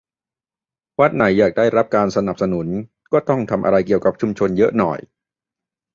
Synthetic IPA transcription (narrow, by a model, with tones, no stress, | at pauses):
wa˦˥t̪̚na˩˦jːaː˨˩k̚daː˥˩jɾa˦˥p̚kaː˧nsa˧na˨˩p̚sa˧nu˩˦n | kɔː˥˩t̪ɔ˥˩ŋt̪ʰa˧mʔa̰˧ɾa˧jki˨˩əwka˨˩p̚t͡ɕʰu˧mt͡ɕʰo˧njɤ˦˥ʔnɔ̰˨˩j